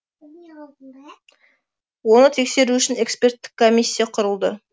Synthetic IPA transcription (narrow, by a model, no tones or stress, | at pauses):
wo̞nət̪ʰe̞kse̞ɾuʏʃɪne̞kspʲe̞ɾt̪ːɪ̥kʰːo̞mʲisʲːijaqʰʊɾəlˠd̪ə